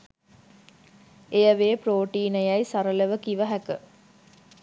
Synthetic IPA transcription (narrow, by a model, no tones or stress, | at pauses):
ejəʋeːproːʈiːnəjajsaɾələʋəkiʋəɦækə